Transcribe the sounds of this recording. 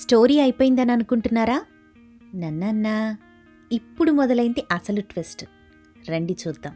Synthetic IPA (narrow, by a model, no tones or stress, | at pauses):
sʈo̞ːɾiːɐjipoːjind̪ɐniɐnukuɳʈunːaːɾaː | nɐnːɐnːɐ | ipːuɽumɔd̪ɐlɐjind̪iʔɐsɐluʈʋesʈ | ɾeɳɖit͡ʃuːd̪ːaːm